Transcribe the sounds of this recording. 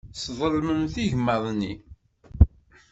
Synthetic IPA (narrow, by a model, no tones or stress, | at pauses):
sðˤəlməmθiʝmːəðˤni